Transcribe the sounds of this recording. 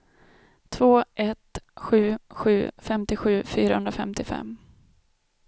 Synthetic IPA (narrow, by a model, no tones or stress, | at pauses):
t̪ʰvoːʔɛt̪ɧʉ̟ːɧʉ̟ːfɛmt̪ɪɧʉ̟ːfyːɾahɵnd̪ɾafɛmt̪ɪfɛ̰mː